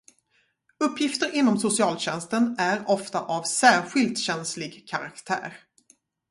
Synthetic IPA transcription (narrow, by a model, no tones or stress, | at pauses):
ɵpʰːjɪft̪əɾɪnːɔmsʊsɪɑːlɕɛnst̪ənæɾɔft̪a̰ʔavsæːɾɧɪlt̪ɕɛnslɪɡkʰaɾakt̪ʰæ̰ːɾ